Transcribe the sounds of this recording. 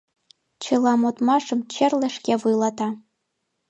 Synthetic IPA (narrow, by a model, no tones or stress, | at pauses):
t͡ʃʰɨlamotʼmaʂɨmt͡ʃʰerlaʂɡʲavujlatʰa